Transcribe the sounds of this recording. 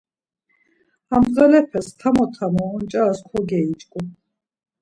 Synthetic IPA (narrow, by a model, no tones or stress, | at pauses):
amʁɛlɛpʰɛst̪ʰamɔt̪ʰamɔːnt͡ʃʼaːskʰɔɡɛit͡ʃʼkʼu